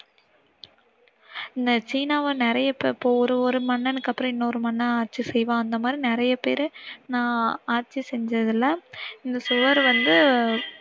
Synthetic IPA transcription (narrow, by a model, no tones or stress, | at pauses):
ɪnd̪ɐt͡ʃiːnaːʋɐnɪɾɐjɐpeɪpːoːɔɾɯɔɾɯmɐɳːɛnɯkːɐpːɯɾɐ̃ɪnːɐɔɾɯmɐnːɐ̃aːɾt͡ʃːɯsɛjʋãːɐnd̪ɐmaːd̪ɾinɪɾɐjɐpeːɾnãːaːɾt͡ʃːisɛɲd͡ʒɾɐðɪlːɐɪnd̪ɐsʊʋɐɾʋɐnd̪ɯ